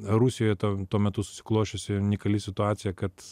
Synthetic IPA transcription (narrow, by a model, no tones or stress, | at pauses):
ɾusʲɪjoːjɛt̪ot̪uɔmʲɛt̪ʊsʊ̥sʲɪ̥klˠoːʃʲosʲɪnʲɪkɐlʲɪsʲɪt̪ʊɑːtsʲɪjɛkɐt̪